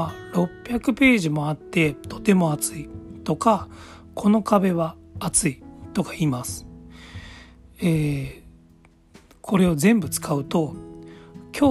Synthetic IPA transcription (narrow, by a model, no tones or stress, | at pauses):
ɾo̞pʲːjakɯ̟pe̞ːʑimo̞at̪ːe̞t̪o̞̥t̪e̞mo̞at͡sɨit̪o̞ka | kʰo̞no̞kabe̞βaːt͡sɨit̪o̞kḁimasɨ̥ | eː | kʰo̞ɾe̞o̞zẽ̞mbɯ̟t͡sɨ̥kʰaɯ̟t̪o̞ | kʲoː